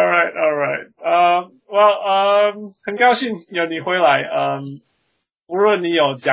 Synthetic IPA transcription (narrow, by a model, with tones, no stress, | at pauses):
ɹa˥ɪtɔ˧lˠɹa˥ɪt̚ə˧m | wɛ˥˩lˠʔə˨mhə˨˩nka˥˧ʊɕi˥˨ŋjo˧˥ʊni˨˩xwe˧˥ɪla˧˦ɪʔə˧m | u˧˦lwə˥˩nni˧˥jo˨˩ʊt͡ɕja˨